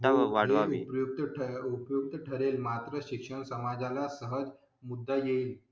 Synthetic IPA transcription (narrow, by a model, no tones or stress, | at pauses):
t̪aəʋaɽeʋaʋḭpjuk̚t̪əupjuk̚t̪əʈʰəɾelmat̪ɾəɕikʂəɳsəmad͡zalasəɦəd͡z | mud̪ːajeiːl